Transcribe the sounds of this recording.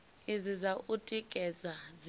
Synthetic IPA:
izizaʔutʼikʼɛzaz

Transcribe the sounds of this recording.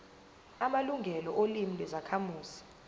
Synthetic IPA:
amaluŋɡʱɛlɔʔolimilwɛzakʰamuːzi̥

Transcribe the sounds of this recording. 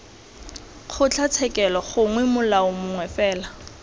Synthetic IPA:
χʰʊt͡ɬʰat͡sʰɛkʼɛlɔχʊŋwɛmʊlaʊmʊŋwɛfɛːla

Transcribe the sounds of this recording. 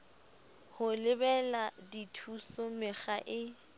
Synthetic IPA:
hʊlɪbɛladitʰusʊmɪχaʔɪ

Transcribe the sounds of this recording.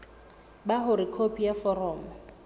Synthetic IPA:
baɦʊɾɪkʰopʰijafɔrɔːm̩

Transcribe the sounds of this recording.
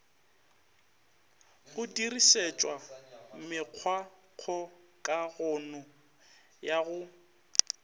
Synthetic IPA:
ɣʊdiriset͡ʃʼwamɪq͡χʰwaq͡χʰɔ | kʼaɣʊnɔ | jaɣʊ

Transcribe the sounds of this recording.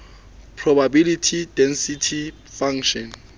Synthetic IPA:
pʰrɔbabilitʰidɛnsitʰi | faŋʃɔn

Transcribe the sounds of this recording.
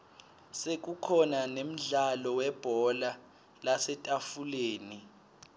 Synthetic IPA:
sek̬ukʰɔnanem̩ɮalɔwɛb̥ʱɔla | lasɛtʼafuleːni

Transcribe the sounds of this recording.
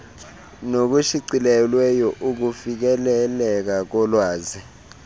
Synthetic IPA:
nok̬uʃiǀilɛlwɛjɔʔuk̬ufik̬ɛlɛlɛk̬ak̬ɔlwaːzi

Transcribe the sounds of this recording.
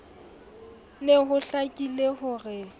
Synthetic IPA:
lɪɦʊɬakʼileɦʊrɛ

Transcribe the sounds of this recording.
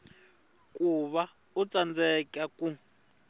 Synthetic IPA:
kʼuβa | ut͡sand͡zɛkaku

